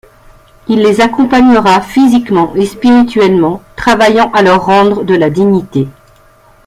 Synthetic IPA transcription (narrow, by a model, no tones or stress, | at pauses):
ilːezakɔ̃paɲəʁafizikmɑ̃ʔespiʁit̪ɥɛlmɑ̃t̪χavajɑ̃ʔalœʁːɑ̃d̪ʁəd̪əlad̪iɲit̪e